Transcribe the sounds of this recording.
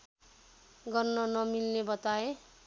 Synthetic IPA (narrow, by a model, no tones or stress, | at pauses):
ɡʌrnʌnʌmilnebʌt̪ae